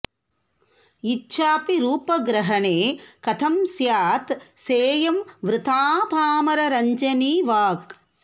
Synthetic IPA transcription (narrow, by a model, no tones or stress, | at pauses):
itːʃʰaːpiɾuːpɐɡɾɐɦɐɳeːkɐt̪ʰɐmsjaːt̪seːjɐmʋɾɪt̪ʰaːpaːmɐɾɐɾɐɲd͡ʒɐniːʋaːk